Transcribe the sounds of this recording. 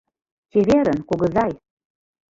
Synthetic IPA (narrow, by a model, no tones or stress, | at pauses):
keβeɾə̆nkoɣɤ̆zɑj